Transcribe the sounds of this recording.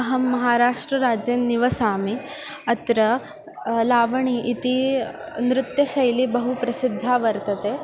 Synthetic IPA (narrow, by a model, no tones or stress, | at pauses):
ɐɦɐmːɐɦaːɾaːʂʈɾɐɾaːd͡ʒjenniʋɐsaːmi | ɐt̪ɾɐ | laːʋɐɳiʔit̪i | nɾɪt̪jɐʃɐjlibɐɦupɾɐsid̪ʱːaːʋɐɾt̪ɐt̪eː